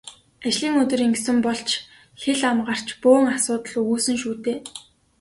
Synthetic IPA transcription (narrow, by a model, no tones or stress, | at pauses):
at͡ɕɮiːŋɵt̪ɵ̆ɾiŋɡsɘ̆mpɔɬt͡ɕʰ | xeɮamɢar̥t͡ɕpʊːŋasʊːt̪ə̆ɮuɣuːsɘ̆ŋʃuːt̪eː